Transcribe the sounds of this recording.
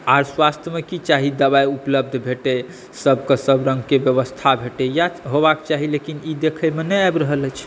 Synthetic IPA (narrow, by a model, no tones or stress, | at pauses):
aɾswast̪ʰjəmekit͡ʃaɦid̪əβaiupləb̚d̪ʱbʱeʈe | səbkəsəbɾə̃ŋɡkebjəβəst̪ʰabʱeʈejaɦobakt͡ʃaɦilekinid̪ekʰəmenɛajbɾəɦələt͡ʃʰ